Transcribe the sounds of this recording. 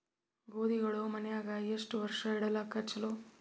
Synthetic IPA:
ɡoːd̪iɡɐɭomɐnɛjaːɡɐeʂʈuʋɐɾʂɐiɽɐlakːɐt͡ʃɐloː

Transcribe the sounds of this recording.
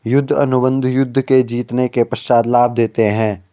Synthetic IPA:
jʊd̪ʱːɐ̰nʊbə̃nd̪ʱjʊd̪ʱːked͡ʒiːt̪nekepɐʃaːd̪laːb̚d̪eːt̪eɦɛ̃ː

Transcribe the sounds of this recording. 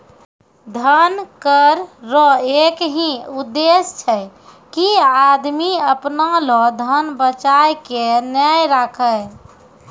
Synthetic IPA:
d̪ʱənkəɾːɔekɦĩud̪ːest͡ʃʰəj | kiad̪miəpnalɔd̪ʱənbət͡ʃajkenjajɾakʰə

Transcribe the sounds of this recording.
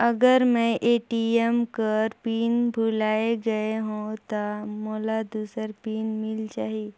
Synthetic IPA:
ɐɡəɾmɛ̃ʔeːʈiemkəɾpiːnbʱulaːeɡɐeɦũt̪amoːlad̪uːsəɾpiːnmɪld͡ʒaːɦi

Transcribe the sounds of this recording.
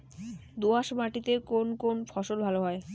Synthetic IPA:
d̪uaʃbaʈit̪ekonkonfʰɔʃolbʱaloɦɔe

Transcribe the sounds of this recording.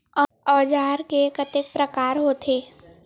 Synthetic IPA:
ɔ | ɔːd͡ʒaːɾkekət̪ɪk̚pɾəkaːɾɦoːt̪ʰeː

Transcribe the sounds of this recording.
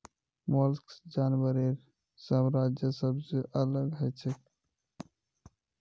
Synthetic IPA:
molksd͡ʒaːnwəɾiɾ | səmɾaːd͡ʒjəsəbseʔələɡɦɛt͡ʃʰek

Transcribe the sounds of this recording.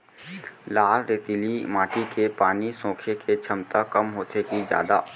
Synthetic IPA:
laːlɾeːt̪ilimaːʈikepaːnisõːkʰekʰet͡ʃʰɐmt̪akɐmɦoːt̪ekid͡ʒja̰ːd̪a̰ː

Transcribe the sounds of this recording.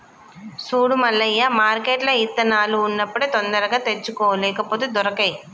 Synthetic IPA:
suːɽumɐlːɐjːɐmaːɾkeːʈlɐit̪ːɐnaːluːnːɐpːɐɽet̪ɔnd̪ɐɾɐɡaːt̪et͡ʃːukoːʋɐlɛːkɐpoːd̪ud̪ɔɾɐkɐj

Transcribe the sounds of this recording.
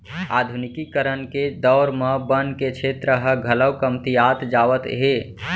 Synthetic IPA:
a̰ːd̪ʱunɪkikəɾənked̪ɔʊɾmə̃bənket͡ʃʰet̪ɾəɦəɡʱələwkəmt̪ijat̪d͡ʒaːʋət̪ɦe

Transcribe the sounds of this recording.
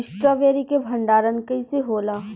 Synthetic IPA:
ɪsʈɾaːʋeːɾikebʱɐ̃ɳɖaːɾənkɐiseɦoːlaː

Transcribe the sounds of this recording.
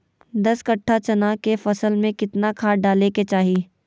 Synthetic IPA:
d̪ɐskɐʈʰːat͡ʃɐnaːkefɐsəlmẽkɪt̪nakʰaːɖaːleket͡ʃaːɦiː

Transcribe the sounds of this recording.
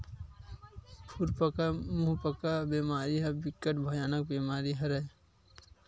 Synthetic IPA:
pʰuɾpəkamuɦpəkabeːmaːɾiɦɐbikːəʈ̚bʱəjaːnək̚beːmaːɾiɦɐɾəj

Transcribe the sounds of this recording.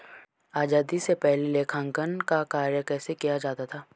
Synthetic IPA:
aːd͡ʒaːd̪isepɛɦlileːkʰãːŋkənkakaːɾjəkɛːsekijad͡ʒaːt̪at̪ʰaː

